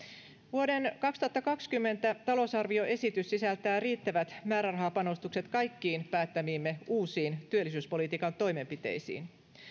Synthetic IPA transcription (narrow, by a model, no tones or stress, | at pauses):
ʋuo̞de̞nkɑkst̪uhɑt̪ːɑkɑkskymːe̞nt̪æt̪ɑlo̞sɑrʋio̞ʔe̞sit̪ysːisælt̪æːriːt̪ːæʋæt̪mæːɾærɑɦɑːpɑno̞st̪ukse̞t̪kɑjkːiːnpæːt̪ːæmiːmːe̞uːsiːnt̪yølːˑisyːspo̞lit̪iːkɑnt̪o̞jme̞mpit̪e̞̰jsḭːn